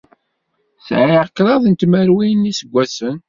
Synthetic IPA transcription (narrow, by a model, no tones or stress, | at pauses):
sʕʕiʕəkːɾˤɑðˤənt̪məɾwinisəɡʷːæsən